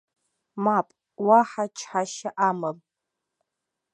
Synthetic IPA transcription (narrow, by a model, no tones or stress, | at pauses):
mapʼ | waħat͡ʃʰħaʃaʔamɨm